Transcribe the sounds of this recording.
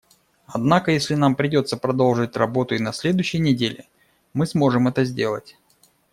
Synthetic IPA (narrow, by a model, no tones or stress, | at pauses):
ɐd̪nakəjesʲlʲɪnampɾʲɪdʲo̞t̪səpɾɐd̪o̞lˠʐɨtʲrɐbo̞t̪ʊɪnɐsʲlʲe̞d̪ʊjɕːɪjnʲɪdʲelʲɪ | mɨsmo̞ʐɨmɛt̪əzʲdʲe̞̰lˠətʲ